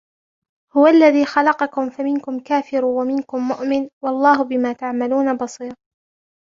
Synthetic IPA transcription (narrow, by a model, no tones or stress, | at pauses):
hʊwaʔlːaðiːxɑlɑqɑkʊmfamɪnkʊmkaːfɪɾwamɪnkʊmːʊʔmɪnwɑlˤːɑːhʊbɪmaːt̪aʕmaluːnabɑsˤiːɾ